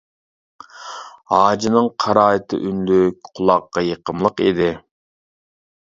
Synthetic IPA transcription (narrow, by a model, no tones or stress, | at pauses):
ɑːd͡ʒinɨŋqʰɑɾɑːɨt̪ʰɨ̰ʔynlyk̚ʲqʰʊlˠɑqːɑjeqəmlˠəqḭd̪ɪ